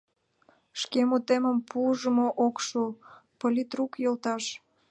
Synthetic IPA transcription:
ʃkemut̪eməmpʰuʒəmoʔokʃupolʲit̪rukjolt̪ɑʃ

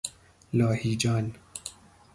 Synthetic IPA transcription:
lɑːhiːd͡ʒɑːn

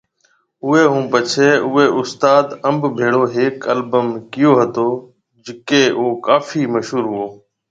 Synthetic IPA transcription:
ʊeːɦũːpət͡ʃʰeːʊːeːʔʊst̪aːd̪əmbbʱeːɽoːɦeːkəlbəmkɪjoːɦət̪oː | d͡ʒɪkeːoːkaːfiːməʃɦuːɾɦʊoː

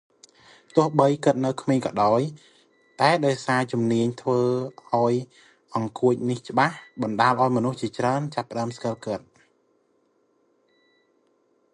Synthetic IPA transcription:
t̪ʊ̆əhɓəjkɨt̪̚nɨwkʰmeːŋkɑːɗaɔj | t̪aɛɗaɔjsaːt͡ɕumniəɲt̪ʰʋəːʔaɔj | ʔɑŋkuəc̚niht͡ɕə̆ɓahɓɑnɗaːlʔaɔjmɔnuht͡ɕiət͡ɕraənt͡ɕapːə̆ɗaəmskəlkɨt̪̚

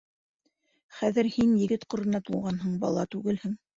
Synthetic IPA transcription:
χæðɘɾhinjɘ̆ɡɘt̪qŏɾɤ̆nɑt̪ulˠʁɑnɦɤɴbɑ̰lˠɑt̪ʉɡɘlhɘŋ

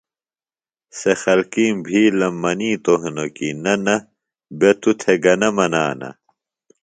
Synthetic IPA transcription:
sexɐlkiːmbʱiːlɐmːɐniːt̪oɦinokinɐnɐ | bet̪ut̪ʰeɡɐnɐmɐna̰ːnɐ̰

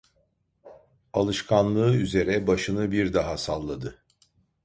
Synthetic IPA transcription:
alˠɯʃkʰanlˠɯːyze̞ɾɛbaʃɯnɯbiɾd̪aɦasalˠːad̪ɯ

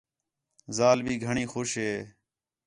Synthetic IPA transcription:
zaːlbʱiːɡʱəɳiːxoːʃɦeː

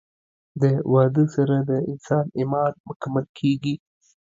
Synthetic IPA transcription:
d̪əwɑd̪əsaɾad̪əɪnsɑnɪmɑnmʊkamalkʰeɡi

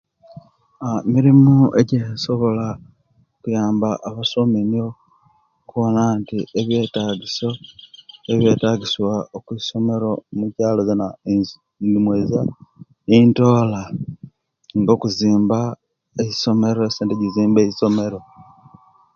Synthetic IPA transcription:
amiɾimuḛɟeso̞βo̞la | kujaːmbaʔːβasominio̞ | kuβo̞nantieβje̞taːɡiso̞ | eβje̞ːtaɡiswaokwiso̞me̞ɾo̞mucaːlozena | ndimweza | into̞ːla | ŋɡo̞kuziːmba | eci̥so̞me̞ɾoeseːnteɟiziːmbe̞ːciso̞me̞ɾo̞

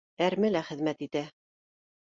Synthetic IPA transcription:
æɾmɘlæχɘ̆ðmæt̪it̪æ

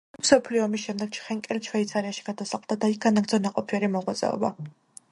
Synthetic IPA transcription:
msɔpʰliɔːmisʃɛmd̪ɛɡ̥̚t͡ʃʰχɛŋkʼɛlt͡ʃʰwɛit̪sʰaɾiaʃi̥ɡ̥ad̪asaqʼlˠd̪ad̪aik̚ɡanaɡd̪ɔnaqʼɔpʰiɛɾimɔʁwat̪sʼɛ̰ɔ̰ba̰

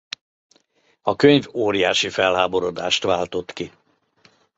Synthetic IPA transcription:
ɒkøɲvoːɾijaːʃifɛlɦaːbo̞ɾo̞d̪aːʃt̪ʋaːlt̪o̞t̪ki

